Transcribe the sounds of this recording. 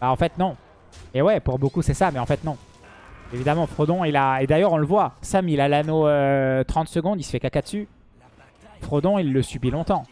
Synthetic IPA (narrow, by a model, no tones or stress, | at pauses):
baɑ̃fɛt̪nɔ̃ | mɛwɛpuʁbokusɛsamɛɑ̃fɛt̪nɔ̃ | evid̪amɑ̃fχod̪ɔ̃ilaed̪ajœʁɔ̃ləvwasamilalanoøt̪χɑ̃t̪səɡɔ̃d̪isə̥fɛkakad̪əsy | fχod̪ɔ̃ilːəsybilɔ̃t̪ɑ̃